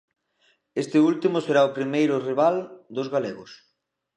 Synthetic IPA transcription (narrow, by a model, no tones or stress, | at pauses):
est̪ɪult̪imʊseɾaopɾimejɾʊriβald̪ʊzɣaleɣʊs